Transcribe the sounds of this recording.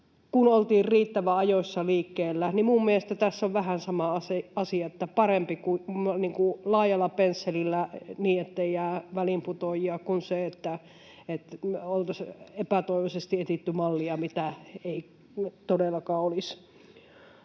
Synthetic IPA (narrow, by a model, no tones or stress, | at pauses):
kunolt̪iːrriːt̪ːæʋæɑjosʲːɑliːkːeːlːænimumːieest̪æt̪æsːoʋʋæhænsɑmɑɑseɑsiɑet̪ːæpɑrempikuniːŋkulɑːjɑlːɑpensːelilːæniːet̪ːeijæːʋælimput̪ojiɑkunseet̪ːæ | et̪olt̪ɑsepæt̪oiʋesest̪iet̪it̪ːymɑlːiɑmit̪æei | t̪odelːɑkɑːolis